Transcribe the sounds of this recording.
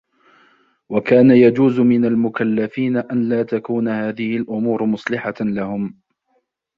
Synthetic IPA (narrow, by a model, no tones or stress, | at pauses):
wakaːnajad͡ʒuːzʊmɪnalmʊkalːafiːnaʔanlaːt̪akuːnahaːðɪhɪlʔʊmuːɾmʊsˤlɪħalahʊm